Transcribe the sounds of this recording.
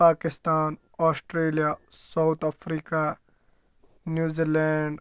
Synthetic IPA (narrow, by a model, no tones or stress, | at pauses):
paːkɪst̪aːn | ɔːsʈɾeːlijasawt̪ɐfɾiːka | njuːziːleːɳɖ